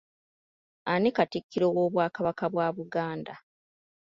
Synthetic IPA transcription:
anikatikʰːiɾowoːβwaːkaβakaβwaːβuɡaːnda

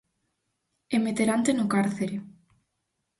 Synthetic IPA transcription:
emet̪eɾant̪enokaɾθeɾe

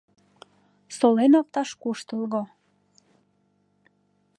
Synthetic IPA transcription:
solenɑpt̪ɑʃkuʃt̪əlɣo

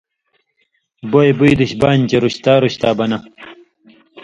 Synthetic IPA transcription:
bojebuid̪uɕbaːnt͡ɕeɾuɕt̪aːɾuɕt̪aːbɐnɐ

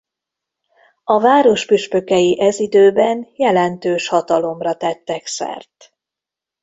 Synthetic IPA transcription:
ɒvaːɾo̞ʃpyʃpø̞kɛjiʔɛzid̪øːbɛnjɛlɛnt̪øːʃhɒt̪ɒlo̞mrɒt̪ɛt̪ːɛksɛ̰rt̪

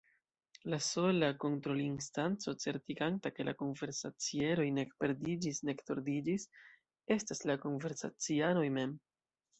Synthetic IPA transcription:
laso̞lako̞ntɾo̞linstant͡so̞t͡se̞ɾtiɡantake̞la̰ko̞nve̞ɾsat͡sie̞ɾo̞jne̞kpe̞ɾdid͡ʒisne̞kto̞ɾdid͡ʒis | e̞staslako̞nve̞ɾsa̰t͡siano̞jme̞m

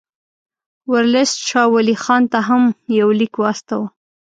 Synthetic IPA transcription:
waɾlesʃɑwalixɑnt̪aɦamjawlikwɑst̪awa

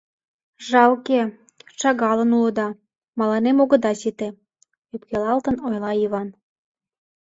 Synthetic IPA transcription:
ʒɑwke | ʃɑɣɑlənulə̆d̪ɑ | mɑlɑnemoɣə̆d̪ɑsit̪e | øpkelɑlt̪ənojlˠɑiβɑn

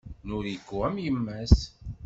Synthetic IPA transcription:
nʊɾikːuæmjəmːæs

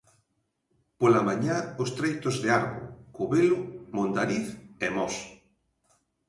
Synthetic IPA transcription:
polamãɲaost̪ɾejt̪ozðeaɾβo̰koβelʊmõnd̪aɾiθɛmɔs

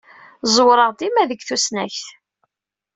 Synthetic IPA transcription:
zˤwɾˤəʁd̪imæðəɡθusnæçθ

